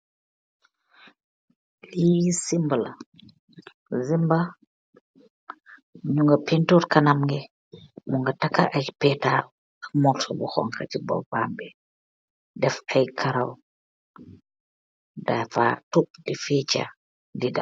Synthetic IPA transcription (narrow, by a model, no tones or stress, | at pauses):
lisimbəla | zimba | ɲuŋɡɐpintuɾkɐnamɡɛ | muŋɡɐtakːa̰ʔɐjpɛːta | ɐkmɔtʰɔbuxɔ̰ŋka̰cibɔ̰bambɛ | dɛfɐjkʰɐɾaw | dafa̰tup̚difɛːt͡ʃa̰ | dida